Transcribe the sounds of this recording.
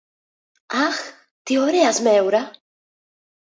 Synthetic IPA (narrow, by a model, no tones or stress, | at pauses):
ax | t̪ʰiɔɾiasmɛwɾa